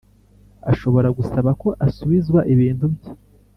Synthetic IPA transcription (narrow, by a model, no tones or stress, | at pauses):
aʃo̞βo̞ɾaɡusaβako̞ʔasuβizɡwaʔiβiːn̥tubjo